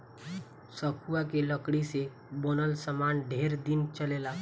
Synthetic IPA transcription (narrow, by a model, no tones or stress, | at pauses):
səkʰuakeləkɽise | bənəlsəmanɖʱeɾd̪int͡ʃəlela